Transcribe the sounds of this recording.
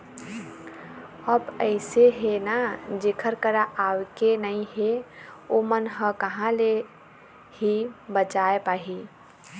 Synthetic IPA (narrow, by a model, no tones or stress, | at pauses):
əbəɪseɦenad͡ʒeːkʰəɾkəɾaʔawkenəĩɦeomənɦə̃kəɦãle | hibət͡ʃaːepaːɦi